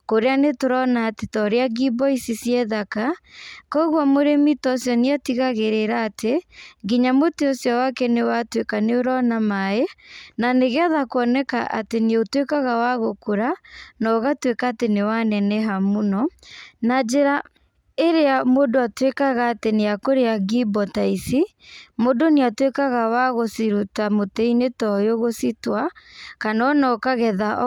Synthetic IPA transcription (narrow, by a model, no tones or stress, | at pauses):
koɾeanetoɾɔnatetɔɾeaɡibɔisisjɛðakakɔɣwamoɾemitɔsjɔniatiɣaɣeɾeɾaːtʰeɡiɲamoteɔsjɔwakɛnewatwekaneoɾɔnamaenaneɣeaðakoɔnɛkaʔa̰teneotwekaɣawaɣokoɾanɔɣatwekaːtenewanɛnɛɦamunɔnad͡ʒeɾa | eɾeamodoatwekaɣaːteneakoɾeaɡibɔtaisi | modoneatwekaɣawaɣosiɾutamotɛinetɔjoɣositwakanɔnɔkaɣɛðaʔ